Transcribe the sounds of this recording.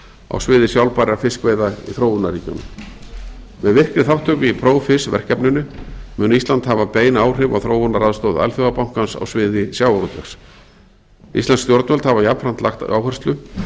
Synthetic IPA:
a̰wsvɪːðɪsjawlpaːɾaɾfɪskveːjðaḭθɾoːwvʏnːariːcʏ̰nːʏ̰m | mɛðvɪr̥kɾɪθawt̪ʰœːkɪipʰɾoːwfɪsvɛ̰r̥cɛpnʏnːʏmʏːnist̪ant̪havapeːjnaːwr̥ɪva̰wθɾoːwvʏnːaɾaðst̪owða̰lθʏɣapaw̥ŋ̥kansa̰wsvɪːðɪsjaːwaɾɔt̪ʰɛxs | ḭst̪anst̪jɔɾt̪œlt̪havajapɾant̪la̰xt̪aa̰whɛrst̪lʏ

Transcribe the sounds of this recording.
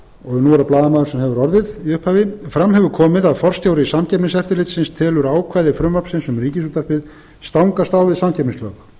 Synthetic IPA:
ɔɣnuɛɾaplaːðamaːðʏɾsɛmhɛvʏɾɔɾðɪðiʏhphaːvɪfɾamɦɛvʏɾkʰɔːmɪðaðfɔr̥st̪jaːwɾɪisamcɛpnɪnsɛft̪ɪɾlɪt̪sɪnst̪ʰɛːlʏɾaːwkʰvaːjðɪfɾʏmːvaɾpsɪnsʏmriːcɪsuːt̪ar̥pɪð | st̪awŋkast̪aːwvɪðsamcʰɛpnɪ̃nslœːx

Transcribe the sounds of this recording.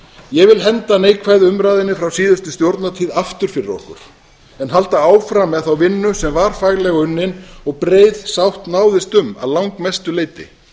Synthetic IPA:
jɛɣvɪlɦɛnt̪aneːjkʰvaːjðɪʏmɾaːjðɪnːɪfɾawsiːðʏst̪ʏst̪jowɾt̪nat̪ʰiːðaft̪ʏɾ̥fɪɾɪɾɔ̰ɾ̥kʏ̰ɾ̥ | ɛnhalt̪aaːwfɾamːɛðθawvɪnːʏsɛmvaɾ̥faːɣlɛɣʏnːɪnɔɣpɾeːjðsawht̪naːwðɪst̪ʏma̰ðlawŋkmɛst̪ʏleːjt̪ɪ̰

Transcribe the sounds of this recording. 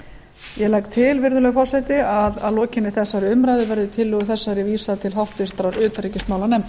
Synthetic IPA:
jɛlajkt̪ʰɪlvɪɾðʏlɛɣfɔr̥sɛt̪ɪaða̰ðlɔːcɪnːɪθɛsːaɾɪʏmɾajðɪvɛɾðʏt̪ʰɪlːʏːɣʏθɛsːaɾɪviːsaðt̪ʰɪlɦawht̪vɪɾ̥t̪ɾaɾʏːt̪ɾicɪsmaːwlanɛm

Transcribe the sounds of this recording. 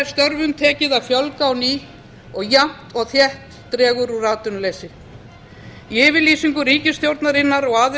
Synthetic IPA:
ɾst̪œɾvʏmt̪ʰɛːcɪðavfjɔlkaːwniː | ɔɣjam̥t̪ɔɣθjɛht̪ːɾɛːɣʏɾuraːt̪ʏnlejsɪ | iɪːvɪɾliːsiŋkʏriːcɪst̪jowɾt̪naɾɪnːaɾɔɣaːð

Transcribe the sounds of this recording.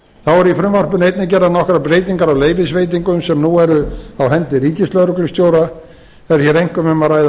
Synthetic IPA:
θawɛɾifɾʏmvar̥pʏnejt̪nɪcɛɾðanɔhkʏɾapɾeːjt̪̬iŋkaɾawleːjvɪsvejt̪̬iŋkʏmsɛmnuɛɾʏawɦɛnt̪ɪriːcɪst̪lœɾʏklʏst̪joːwɾa | ɛɾçɛɾejŋ̥kʏmɛmaɾajða

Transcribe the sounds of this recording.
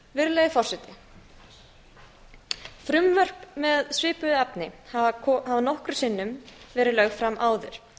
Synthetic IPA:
vɪɾleːjðɪfɔr̥sɛt̪ɪ | fɾʏmvœr̥pmɛðsvɪːpʏðʏɛpnɪhahavanɔhkɾʏsɪnːʏmvɛːɾɪlœɣfɾamʔaːwðʏ̰ɾ̥

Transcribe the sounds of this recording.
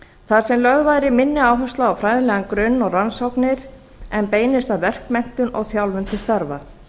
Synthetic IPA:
θaɾ̥sɛmlœɣvajɾɪmɪnːɪaːwɦast̪laawfɾajðɪlɛɣankɾʏnːɔɣransɔwknɪɾ | ɛnpeːjnɪst̪aðvɛr̥kmɛn̥t̪ʏnɔɣθjawlvʏnt̪ʰɪst̪aɾva̰

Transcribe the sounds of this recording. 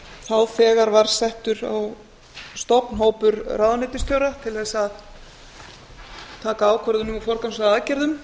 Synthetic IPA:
θawfɛːɣaɾvaɾ̥sɛht̪ʏɾa̰w | st̪ɔpn̥ɦoːwpʏɾrawðanɪt̪ʏst̪jowɾat̪ʰɪlθɛsað | t̪ʰaːkaaːwkʰvœɾðʏnʏmafɔɾ̥kansaaːðcɛɾðʏm

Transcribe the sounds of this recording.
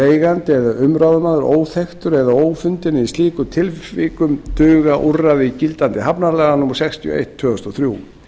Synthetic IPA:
eːjɣant̪ɪɛðaʏmɾawðʏmaːðʏɾʔoːwθext̪ʏɾɛðaoːwfʏnt̪ɪnɪist̪iːkʏt̪ʰɪlfikʏmt̪ʏːɣaʔuraðɪcilt̪ant̪ɪɦapnaɾlɛːɣanʊmɔɾ̥sɛkst̪ʰjiɔ̰ḛjht̪ʰːʏːʏst̪ɔθɾjuw

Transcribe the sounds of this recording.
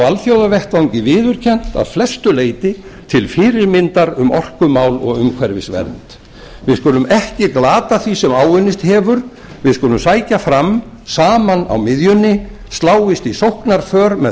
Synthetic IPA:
alθjowðavɛht̪vawŋcɪvɪːðʏɾ̥cʰɛn̥t̪a̰ðflɛst̪ʏleːjt̪ɪt̪ʰɪlfɪːɾɪɾmɪnt̪aɾʏmɔr̥kʏmaːwlɔ̰ɣʏmkʰvɛɾvɪ̰svɛ̰ɾnt̪ | vɪðskʏːlʏmɛhcɪklaːt̪aθvisɛmaːwʏnːɪst̪hɛːvʏɾ̥ | vɪðskʏːlʏmsaːjcafɾam | saːmana̰wmɪðjʏnːɪ | st̪laːwɪst̪isowhknaɾ̥fœːɾmɛ

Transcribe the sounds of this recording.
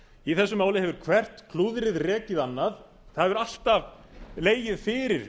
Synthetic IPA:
iθɛsːʏmaːwlɪhɦɛvʏɾ̥kʰvɛr̥t̪kʰluːðɾɪðrɛːcɪðanːað | θaðɛvʏɾal̥t̪av | leːjɪðfɪːɾɪɾ̥

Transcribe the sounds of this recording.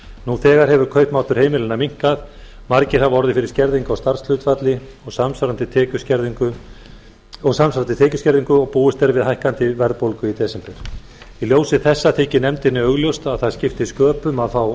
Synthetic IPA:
nuθɛːɣaɾ̥hɛvʏɾkʰœɥhpmaːwt̪ʏɾ̥heːjmɪlɪnamiŋ̥kað | maɾcɪɾ̥avɔɾðɪfɪɾɪɾ̥scɛɾðiŋkawst̪aɾ̥sl̥ʏt̪fat̪lɪ | ɔɣsamsaɾant̪ɪt̪ʰɛːcʏscɛɾðiŋkʏ | ɔɣsamsaɾant̪ɪt̪ʰɛːcʏscɛɾðiŋkʏɔɣpuːʏst̪ɛɾvɪðɦajhkant̪ɪvɛɾðpowlkʏit̪ɛːsɛmpɛɾ̥ | iljoːwsɪθɛsːat̪ʰeːcɪnɛmt̪ɪnːɪœɣljowst̪aðθḁscɪft̪ɪskœːpʏmaðfaw

